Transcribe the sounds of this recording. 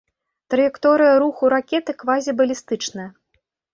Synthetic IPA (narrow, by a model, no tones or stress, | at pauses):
t̪ɾɐjɛkt̪ɔɾɨjɐɾuxuɾakʲɛt̪ɨkvazʲibɐlʲist̪ɨt͡ʂnɐjɐ